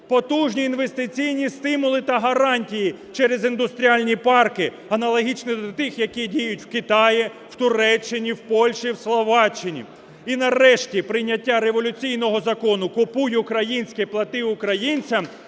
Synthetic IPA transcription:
pɔt̪uʒnʲiːnʋest̪ɪt͡sʲijnʲist̪ɪmʊlˠɪt̪ɐɦɐɾɑnʲtʲiji | t͡ʃɛɾezind̪ʊst̪ɾʲialʲnʲipɑrkɪ | ɐnɐlˠɔɦʲit͡ʃnɪd̪t̪ɪxjɐkʲidʲijʊtʲw̥kɪt̪ɑji | w̥t̪ʊɾɛt͡ʃːɪnʲiwpɔlʲʃiwslˠɔʋɑt͡ʃːɪnʲḭ | inɐrɛʃtʲipɾɪjnʲːɐtʲːaɾeʋɔlʲʊt͡sʲijn̪ɔɦɔzɐkɔnʊkʊpujʊkɾɐjinʲsʲkɛplˠɐt̪ɪʊkɾɐjinʲt͡sʲɐm

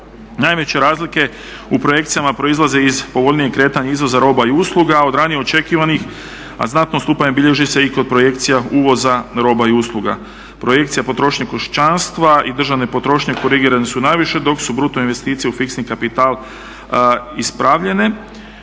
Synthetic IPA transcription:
najʋe̞t͡ɕe̞ɾaːzlike̞ | upɾo̞je̞k̚t̪sijamapɾo̞izlˠaze̞izpo̞ʋo̞ʎnije̞kɾe̞ːt̪aɲeizʋo̞zaɾo̞ːbaiuslˠuɡao̞d̪ɾaːnijeo̞t͡ʃe̞kiːʋanix | a̰znat̪nost̪upaɲebiʎe̞ʒise̞iko̞d̪̚pɾo̞je̞kt̪sijauːʋo̞zaɾo̞ːbaiuslˠuɡa̰ | pɾo̞je̞k̚t̪sijapo̞t̪ɾo̞ʃɲekoʃt͡ʃanst̪ʋaid̪r̩ʒaʋne̞po̞t̪ɾo̞ːʃɲeko̞ɾiɡiːɾanesunajʋiʃe̞d̪o̞ksubɾut̪oinʋe̞st̪iːt̪sijeufiksnikapit̪aːl | ispɾaʋʎe̞ne̞

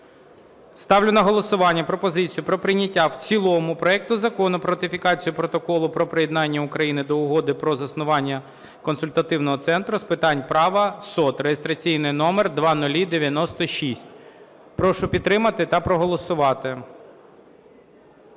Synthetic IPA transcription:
st̪ɑwlʲʊnɐɦɔlˠɔsʊʋɑnʲːɐpɾɔpɔzɪt͡sʲijʊpɾɔpɾɪnʲɐtʲːawt͡sʲilˠɔmʊpɾɔɛk̚t̪ʊzɐkɔnʊpɾɔɐt̪ɪfʲikɑt͡sʲijʊpɾɔt̪ɔkɔlˠʊpɾɔpɾejɛd̪nɑnʲːɐʊkɾɐjinɪd̪ɔʊɦɔd̪ɪpɾɔzɐsnʊʋɑnʲːɐ | kɔnsʊlʲt̪ɐt̪ɪwnɔɦɔt̪sɛnt̪ɾʊspɪt̪ɑnʲpɾɑʋɐsɔt̪ɾejɪst̪ɾɐt͡sʲijnɪjnɔmɛrd̪ʋɑnʊlʲid̪eʋʲjɐnɔst̪ɔʃʲisʲtʲ | pɾɔʃʊpʲid̪t̪ːɾɪmɐt̪ɪt̪ɐpɾɔɦɔlˠɔsʊʋɑt̪ɪ

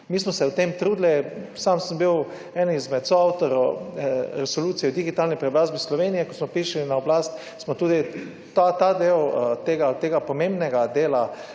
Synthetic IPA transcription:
miːsmɔsɛwt̪emt̪ɾuːd̪lɛsamsəmbiw | ɛnizmɛt̪soawt̪ɔɾɔ | ɾɛsɔluːt̪sijɛwd̪iɡit̪aːlnipɾɛbɾaːzbislɔʋeːnijɛkɔsmɔpiʃlinaɔblast̪ | smɔt̪uːd̪i | t̪at̪ad̪ewt̪eːɡat̪eːɡapɔmẽmbnɛɡad̪eːla

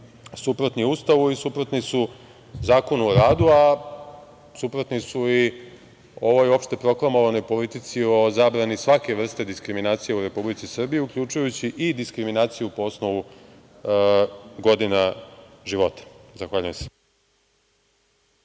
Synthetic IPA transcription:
supɾot̪niust̪aʋuisupɾot̪nisu | zaːko̞nuoɾaːd̪ua | supɾot̪nisui | o̞ʋo̞jo̞pʃt̪e̞pɾo̞klˠamo̞ʋano̞jpo̞lit̪it̪sio̞zabɾanisʋake̞ʋr̩st̪e̞d̪iskɾiminaːt̪sijeuɾe̞publit̪sisr̩bijiukʎut͡ʃujut͡ɕiʔid̪iskɾiminaːt̪sijupo̞osnoʋu | ɡo̞d̪ina | ʒiʋo̞t̪ḁzaxʋaːʎujemse

